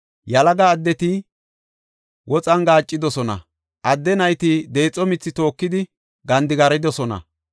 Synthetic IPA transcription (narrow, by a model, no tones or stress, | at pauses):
jɐlɐɡɐːd̪ːɛt̪ɪ | wɔt͡sʼɐnɡaːt͡ʃʼːɪd̪ɔsɔnɐ̰ | ʔɐd̪ːɛnɐjt̪ɪd̪e̞ːt͡sʼːɔmɪt͡sːɪt̪o̞ːkːɪd̪ɪ | ɡɐnd̪ɪɡɐɾɪd̪ɔsɔnɐ̰